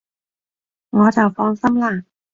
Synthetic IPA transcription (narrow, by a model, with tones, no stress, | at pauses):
ŋɔː˨˧t͡sɐ˨˩wfɔː˧ŋsɐ˥mla˥˩